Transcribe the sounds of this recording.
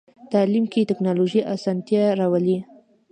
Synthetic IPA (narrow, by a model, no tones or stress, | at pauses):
t̪ɑlimket̪ɪknɑloʒiʔasɑnt̪jaɾawəli